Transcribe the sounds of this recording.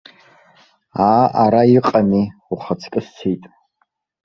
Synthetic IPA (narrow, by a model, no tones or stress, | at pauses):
aːʔaɾaiqʼaniuχat͡sʰkʼɨst͡sʰejtʼ